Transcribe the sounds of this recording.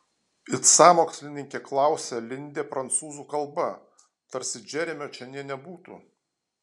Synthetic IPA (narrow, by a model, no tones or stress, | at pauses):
ɪt̪sɑːmoːksʲlʲɪnʲɪŋʲkʲeːklˠɑˑʊsʲelʲɪnʲd̪ʲeːpɾɐnt̪suːzuːkɐlˠbɐ | t̪ɐɾʲsʲɪd͡ʒʲɛɾʲɛmʲoːt͡ʃʲɛnʲiɛnʲɛbuːt̪ṵː